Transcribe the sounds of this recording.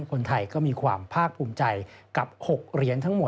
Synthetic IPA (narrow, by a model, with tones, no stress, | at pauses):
kʰo˧nt̪ʰa˧jkɔː˥˩miː˧kʰwaː˧mpʰaː˥˩k̚pʰuː˧mt͡ɕa˧jka˨˩p̚ho˨˩k̚ɾi˧ənt̪ʰa˦˥ŋmo˨˩